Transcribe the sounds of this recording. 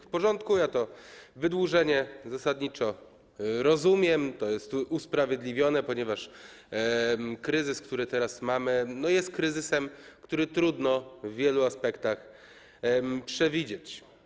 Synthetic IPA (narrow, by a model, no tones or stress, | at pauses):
fpɔʐɔnt̪kujat̪ɔvɘd̪wuʐɛɲɛzasad̪ɲit͡ʂɔ | ɾɔzumʲjɛmt̪ɔjɛst̪uspɾavʲjed̪lʲivʲjɔnɛpɔɲɛvaʂ | kɾɘzɘskt̪uɾɘt̪ɛɾasmamɘnɔjɛst̪̚kɾɘzɘsɛmkt̪uɾɘt̪ɾud̪nɔvːʲjɛluaspɛkt̪ax | pʂɛvʲid͡ʑet͡ɕ